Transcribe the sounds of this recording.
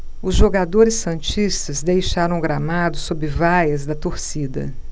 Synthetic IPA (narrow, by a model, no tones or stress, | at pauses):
ʊzʒoɡad̪oɾɪsːɐ̃nt͡ʃist̪ɐzd̪ejʃaɾɐ̃w̃ɡɾamad̪ʊsobɾɪvajɐzd̪ɐt̪oɾsid̪ɐ̰